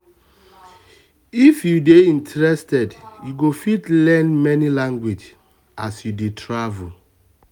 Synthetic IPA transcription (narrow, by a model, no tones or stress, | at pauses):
ifjudeĩntɹɛstɛdjuɡofitlɛ̃nmɛnilãŋɡwid͡ʒ | a̰sjudetʰɹavul